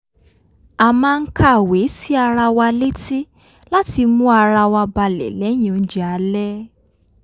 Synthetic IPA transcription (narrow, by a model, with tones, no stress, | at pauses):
a˨mãː˧ŋ̩˦kʰa˦˨we˨˦si˦a˧ɾa˧wa˧le˦ti˦ | la˦ti˧mũ˦a˧ɾa˧wa˧ba˧lɛ̰˨˦lɛ˨˦j̃ĩ˨˧n̩˦d͡ʒi˨a˨˦lɛ˦